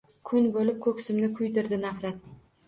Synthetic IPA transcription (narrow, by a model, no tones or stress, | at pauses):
kʰʊnbolɪp̚kʰɵkʲsɪmnɪkʰʊjd̪ɪɾd̪ɪnafɾat̪̚